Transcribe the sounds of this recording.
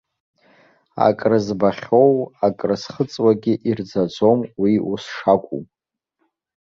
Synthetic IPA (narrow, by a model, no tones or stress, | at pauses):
a̰kʼrɨzbaχʲo̞wakʼrɨsχət͡sʼwaɡʲɪʔird͡zad͡zo̞mwiusʂakʷʼṵm